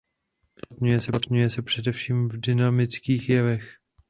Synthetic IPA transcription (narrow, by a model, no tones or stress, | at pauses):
t̪ɲujɛsɛt̪ɲujɛsɛpr̝̥ɛdɛfʃiːmvdɪnamɪt͡skiːxjɛvɛx